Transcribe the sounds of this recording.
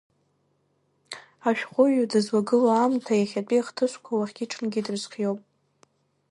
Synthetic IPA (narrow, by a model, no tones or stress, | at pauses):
aʃᶣχʷʊʒudɨzwaɡɨlaamtʰajaχʲapʼiχtʰɨʃʷkʷʰawaχʲɡʲiʈ͡ʂʰʼɨnɡʲidɨrzqʲjowpʼ